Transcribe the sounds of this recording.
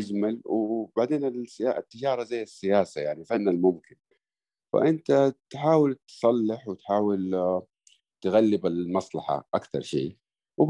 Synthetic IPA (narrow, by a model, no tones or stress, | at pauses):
ad͡ʒmalwbaʕd̪eːnɪlsaʔt̪ːɪd͡ʒɑːɾˤɑzajːɪsːɪjaːsajaʕnifanːalmʊmkɪn | fa̰ʔɪnt̪at̪ħaːwɪlt̪sˤɑlːɪħwɪt̪ħaːwɪl | t̪ɣalːɪbɪlmɑsˤlɑħa̰ʔakt̪ɑ̰ɾˤʃḭː | wb